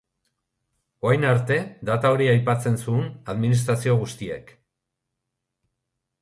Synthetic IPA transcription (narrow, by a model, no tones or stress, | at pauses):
o̞ajnaɾt̪e̞d̪at̪ao̞ɾiajpat͡se̞nsuːnaðminist̪ɾasio̞ɣust̪iḛk